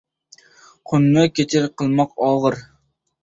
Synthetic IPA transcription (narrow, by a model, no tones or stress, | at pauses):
qʰonːɨkʲet͡ʃʰɪɾqʰəlˠmɑqɑːʁɨɾ